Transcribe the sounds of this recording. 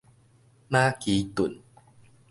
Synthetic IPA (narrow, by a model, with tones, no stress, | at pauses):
naː˥˩kiː˨˧˦t̪u˨˩˦n